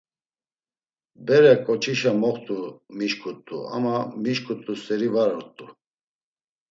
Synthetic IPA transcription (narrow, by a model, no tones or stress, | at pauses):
bɛɾɛkʼɔt͡ʃʰiʃamɔχt̪ʼumiʃkʰʼut̪ʼːṵa̰mamiʃkʰʼut̪ʼusɛɾivaɾɔɾt̪ʼu